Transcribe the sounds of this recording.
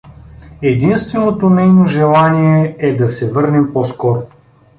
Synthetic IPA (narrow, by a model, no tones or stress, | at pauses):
ɛd̪inst̪vɛnot̪onɛjnoʒɛlˠaniɛɛd̪ɐsɛvɤɾnɛmpɔskɔɾo